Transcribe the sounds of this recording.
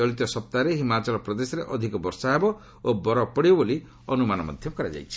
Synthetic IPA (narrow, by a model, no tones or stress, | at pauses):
ɔlit̪ɔsɔp̚t̪aɾeɦimat͡ʃɔlɔpɾɔd̪esɔɾeʔɔd̪ʱikɔbɔɾsaebɔ | obɔɾɔpɔɽibɔboli | ɔnumanɔmɔ̰d̪ʱjɔkɔɾad͡ʒa̰jt͡ʃʰi̥